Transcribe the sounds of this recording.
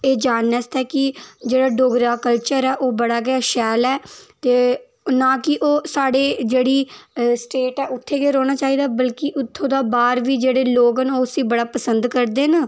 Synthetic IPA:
eːd͡ʒaːnːəst̪ɛːkɪd͡ʒeːɽaːɖoːɡɾaːkəlt͡ʃəɾɛːʔoːbəɽaːɡɪjaːʃɛːlɛːt̪eː | naːkɪʔoːsaːɽeːd͡ʒeːɽiːsʈeːʈɛːʊt̪ʰːeːɡeːɾoːɽ̃aːt͡ʃaːiːd̪aːbəlkɪʔʊt̪ʰːõːd̪aːbaːɾʋiːd͡ʒeːɽeːloːɡənoːəsĩːbəɽaːpəsənd̪kəɾd̪eːna

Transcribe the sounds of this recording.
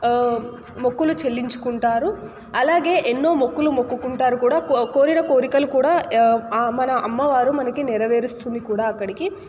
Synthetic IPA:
mokːulut͡ʃe̞lːiɲt͡ʃu̥kuɳʈaːɾu | ɐlaːɡe̞ːʔenːo̞ːmokːulumokːukuɳʈaːɾukuːɽaːkko̞ːɾinɐko̞ːɾikɐlukuːɽaː | mɐnɐʔɐmːɐʋaːɾumɐnɐkinɛɾɐʋe̞ːɾust̪und̪ikuːɽaːɐkːɐɽiki

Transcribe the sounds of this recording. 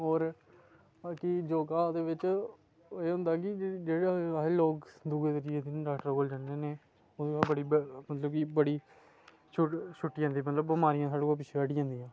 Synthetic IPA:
oːɾ | aːkiːd͡ʒoːɡaːd̪eːʋɪt͡ʃ | eːɦʊ̃nd̪aːkɪd͡ʒeːɽaːeloːkd̪uːeːt̪əɾɪjeːd̪ɪnɖaːkʈəɾoːld͡ʒãːnd̪eːneː | od̪eːabəɽiːmət̪ləbkibəɽiː | t͡ʃʰʊʈʃʰʊʈːiːãːnd̪iːmət̪ləbːəmaːɾɪjãːsaːɽoːaːp̬ɪt͡ʃʰeəɽiːãːnd̪iːãː

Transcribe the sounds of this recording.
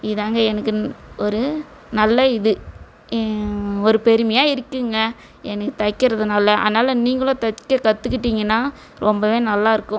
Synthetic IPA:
ɪðaːŋɡɐɛnɐkːɯɔɾɯ | nɐlːɐɪðɯ | ɔɾɯpɛɾɯmɐjaːɪɾɯkːɯŋɡɐ | ɛnɐkːɯt̪ɐkːɪɾɐðɯnaːlːɐʔa̰ːðɐnaːlɐniːŋɡɐɭʊ̃t̪ɐkːɐkɐt̪ːɯkːɪʈ̬ːiːŋɡɐnːaː | ɾɔmbɐʋẽːnɐlːaːɪɾɯkːʊ̃

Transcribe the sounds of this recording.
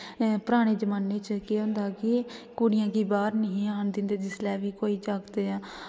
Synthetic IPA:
pɾaːɽ̃eːd͡ʒəmaːnːet͡ʃkeɦʊ̃nd̪aːkɪkuɽɪjãːkiːbaːɾnəɦĩːaːənd̪ɪnd̪eːd͡ʒɪslɛːʋiːkoːiːd͡ʒaːɡd̪eːaː

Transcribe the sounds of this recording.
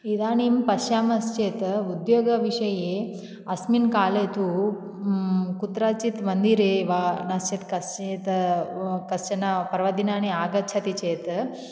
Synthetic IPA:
id̪aːnimpɐʃjaːmɐst͡ʃeːt̪ud̪joːɡɐʋiʂɐje | ɐsminkaːleːt̪u | kut̪ɾat͡ʃit̪ʋɐnd̪iɾeʋaːnɐst͡ʃet̪kɐst͡ʃet̪ | kɐst͡ʃɐnapɐɾʋɐd̪inaːniaːɡɐt͡ʃʰɐt̪it͡ʃeːt̪

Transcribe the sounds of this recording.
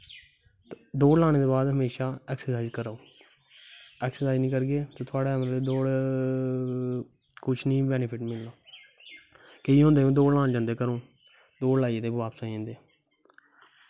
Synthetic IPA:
d̪oːɽlaːɽeːd̪oːbaːd̪ɦəmeːʃaːɛːksəɾsaːizkəɾaoː | ɛːksəɾsaːiznĩːkəɾɡeːt̪oːt̪ʰʊaːɽeːmːd̪oːɽ | kʊt͡ʃʰnĩːbɛːnɪpʰɪʈmɪlːoː | keiːɦʊ̃nd̪eːõːd̪oːɽlãːnd͡ʒãːnd̪eːkəɾõː | d̪oːɽlaːied̪eːbʋaːpsãːẽːnd̪eː

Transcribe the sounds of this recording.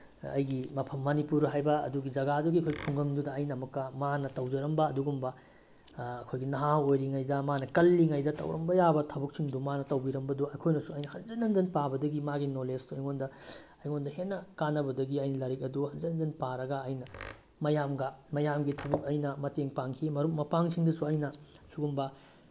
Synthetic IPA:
ɐ̰jɡimɐpʰɐmːɐnipuɾɦajbɐɐ̰duɡid͡ʒɐɡaduɡiɐkʰojɡipʰuŋɡɐmdudɐɐjnɐmɐkːɐmanɐtɐwd͡ʒɐɾɐmbɐːduɡumbɐː | kʰojɡinɐɦawojɾiŋajdɐmanɐkɐlːiŋajdɐtɐ̰wɾɐ̰mbɐjabɐtʰɐbɐk̚siŋdumanɐtɐwbiɾɐmbɐduɐkʰojnɐsuɐjnɐhɐnd͡ʒɐnɐnd͡ʒɐnpabɐdɐɡimaɡinolesduɐjŋondɐ | ɐjŋondɐhenːɐkanːɐbɐdɐɡiɐjnɐlɐɾik̚ɐduhɐnzɐnɐnzɐnpaɾɐɡɐɐjnɐ | mɐjamɡɐmɐjamɡitʰɐbɐk̚ɐjnɐmɐteŋpaŋkʰimɐɾuk̚mɐpaŋsiŋdɐsuɐjnɐsuɡumbɐ

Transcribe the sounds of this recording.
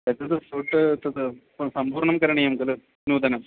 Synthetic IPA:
et̪ːɐt̪ːɨfuːʈːɨt̪ːɐt̪ɨ | sɐmbuːɾɳɐmkɐɾɐɳijɐmɡɐlɨ | nuːd̪ɐnɐm

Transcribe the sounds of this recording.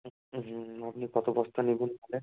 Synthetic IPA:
m̩ɦ̩apnikɔt̪obɔst̪ʰanibunkalen

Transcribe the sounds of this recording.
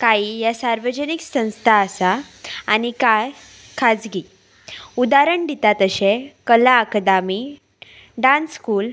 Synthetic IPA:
kaiːjasaɾʋəd͡ʑəniksə̃w̃st̪ʰaːsaːnika | kʰad͡zɡi | ud̪aɾəɳd̪it̪at̪əɕekəlaəkd̪ami | ɖãnskuːl

